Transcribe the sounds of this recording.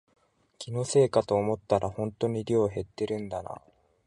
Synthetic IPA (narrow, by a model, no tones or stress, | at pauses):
kʲino̞se̞ːkat̪o̞ːmo̞t̪ːaɾʔahõ̞nt̪o̞ɲ̟iɾʲo̞ːɦe̞t̪ːe̞ɾɯ̟̃nd̪ana̰